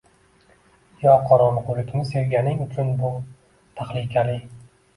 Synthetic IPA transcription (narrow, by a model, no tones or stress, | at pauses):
jɒqʰɒɾɒnqolɪkʲnɪse̞ɾɡʲanɪŋʊt͡ʃʰʊnbʊ | t̪ʰaχlɪlkʲʰalɪ